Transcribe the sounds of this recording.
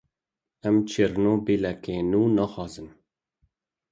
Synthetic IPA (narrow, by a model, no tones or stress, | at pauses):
ɛmt͡ʃʰiɾnoːbilɛkeːnuːnɑxɑːzɨn